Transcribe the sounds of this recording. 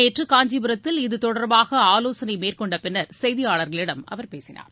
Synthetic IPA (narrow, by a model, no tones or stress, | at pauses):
eːʈrɯkaːɲd͡ʒibɯɾɐt̪ːɪlɪðɯt̪ɔɽɐɾbaːɣɐaːloːsɐnɐɪmeːrkɔɳɖɐpɪnːɐɾsɛjðɪjaːɭɐɾɣɐɭɪɽɐmɐ̰ʋɐɾpeːsɪna̰ːɾ